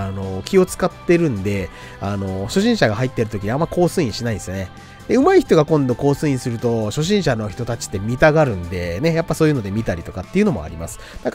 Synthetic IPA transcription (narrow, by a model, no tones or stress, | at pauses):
ano̞kʲio̞t͡sɨ̥kat̪ːe̞ɾɯ̟̃nd̪e̞ | ano̞ɕo̞ɕĩɕaɡaɦait̪ːe̞ɾɯ̟t̪okʲiɲ̟iamːaiko̞ːsɨːĩɕinaĩnesɨjone | d̪̥e̞ɯ̟maiçi̥t̪o̞ɡakõ̞nd̪o̞ko̞ːsɨːĩsɨɾɯ̟t̪o̞ɕo̞ɕ̬ĩɰ̃ɕanoçi̥t̪o̞t̪at͡ɕi̥t̪ːe̞mʲit̪aɡaɾɯ̟̃nd̪e̞ne̞japːaso̞ːjɯ̟no̞d̪e̞mʲit̪aɾʲit̪o̞kat̪ːe̞iɯ̟no̞mo̞̰a̰ɾʲima̰sɨ̥d̪̥ak